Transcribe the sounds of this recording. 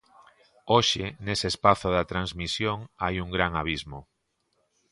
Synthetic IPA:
oʃɪneseːspaθʊðɐt̪ɾanzmisjoŋajuŋɡɾaŋaβ̞izmo

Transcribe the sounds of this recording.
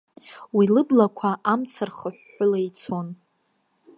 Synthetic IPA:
wilɨblakʷʰaʔamt͡sʰarχəħːʊlait͡sʰo̞n

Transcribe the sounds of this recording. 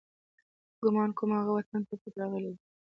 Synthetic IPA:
ɡ̥ʊmɑnkʊmhaɣawat̪ant̪apət̪ɾɑɣəled̪i

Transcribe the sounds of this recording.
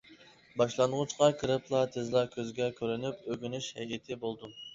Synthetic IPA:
bɑʃlˠɑnʁut͡ʃqɑkʰɨɾɨpʰlˠɑt̪ʰezlˠɑkʲʰøzɡʲɛkʲʰøɾynypøɡʲynyʃhɛjit̪ʰɪbolˠd̪u

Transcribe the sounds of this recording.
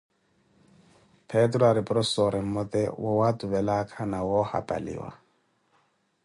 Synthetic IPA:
pʰɛtrɔaɾɪpʼrɔssɔɾɪm̩mɔt̪ʼɛwɔwatʊbɛlakʰanawɔha̰pʼa̰lḭːwa̰

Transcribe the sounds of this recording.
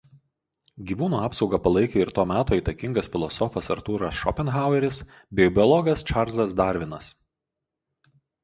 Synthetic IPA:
ɡʲiːʋuːnuːɑːpsɒʊɡɐpɐlˠɐɪkʲeɪɾt̪oːmʲæːt̪oːiːˑt̪ɐkʲɪŋɡɐsfʲɪlˠɔsɔfɐsɐɾt̪uːɾɐsʃɔpʲɛnxaˑʊɛɾʲɪs | bʲɛːbʲɪɔlˠɔɡɐst͡ʃɑɾzɐsd̪ɑˑɾʲʋʲɪnɐs

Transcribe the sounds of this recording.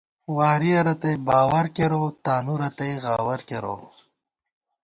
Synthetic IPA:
waːɾiɐɾɐt̪ɐjbaːwɐɾkeɾot̪aːnuɾɐt̪ɐjɣaːwɐɾkeɾo̰

